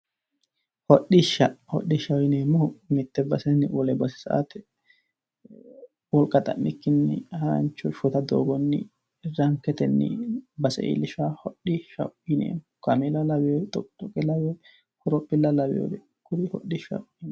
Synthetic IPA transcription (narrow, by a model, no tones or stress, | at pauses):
hɔɗːɪʃɐhɔ̰ɗːɪʃɐwjɪneːmːɔmɪt̪ːɛbɐsɛnɪwɔlɛbɐsɪ̥sɐ̰ʔa̰t̪ɛ | wɔlkʼɐt̪ʼɐ̰nːɪkːɪnːɪ̰hɐɾɐ̰nt͡ʃːɔʃʊt̪ɐd̪o̰ːɡɔnːɪ̰ | ɛrːɐŋkɛt̪ɛnːɪ̰bɐsɛ̰ʔḭlɪʃahɔɗːɪʃɐ̰wɪnḛːmɔkɐmɛlɐlɐbɪjɔt̪ɔt̪ɔkʼːɛlɐwɛ | kʊɾɔpʼːɪlːɐlɐbɪ̰jo̰d̪ɛ | kʊɾɪhɔ̰ɗɪʃɐ̰wn